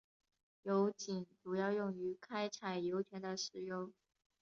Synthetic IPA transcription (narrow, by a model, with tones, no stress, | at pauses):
jo˧˥ʊt͡ɕi˨˩nʈ͡ʂu˨˩jɑ˥˧ʊjʊ˥˩ŋy˧˥kʰa˥ɪt͡sʰa˨˩ɪjo˧˥ʊt͡ɕʰɥɛ˧˥nd̪ə˨ʂɻ̩˧˥jʊ˥ŋ